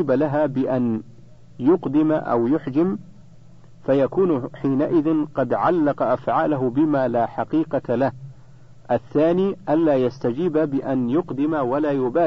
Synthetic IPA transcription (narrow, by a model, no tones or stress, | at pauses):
iːbalaɦaːbɪʔan | jʊqd̪ɪmʔa̰wjʊħd͡ʒɪm | fajakuːnħiːnaʔɪðɪnqɑd̪ʕalːɑqɑʔafʕaːlaɦʊbɪmaːlaːħaqiːqɑlah | ʔaθːaːniːʔanlaːjast̪ad͡ʒiːbabɪʔanjʊqd̪ɪmawalaːjʊbaː